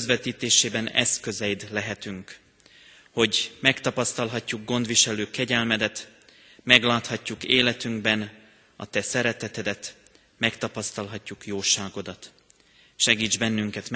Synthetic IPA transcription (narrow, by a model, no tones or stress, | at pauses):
zʋɛt̪iːt̪eːʃeːbɛnɛ̰skø̞zɛjid̪lɛɦɛt̪yŋk | ho̞ɟmɛkt̪ɒpɒst̪ɒlɦɒcːuɡːo̞nd̪ʋiʃɛløːkɛɟɛlmɛd̪ɛt̪ | mɛɡlaːt̪hɒcːukeːlɛt̪yŋɡbɛn | ɒ̰t̪ɛsɛɾɛt̪ɛt̪ɛd̪ɛt̪ | mɛkt̪ɒpɒst̪ɒlɦɒcːukjoːʃaːɡo̞d̪ɒt̪ | ʃɛɡiːd͡ʒbɛnːyŋkɛt̪